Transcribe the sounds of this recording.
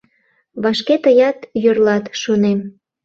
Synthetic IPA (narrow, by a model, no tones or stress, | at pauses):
βɑʃket̪əjɑt̪jørlɑt̪ʃonem